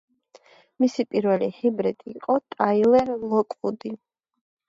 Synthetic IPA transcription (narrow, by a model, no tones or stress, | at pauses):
misipʼiɾvɛlihibɾɛt̪ʼiːqʼɔt̪ʼailɛɾlˠɔkʼud̪i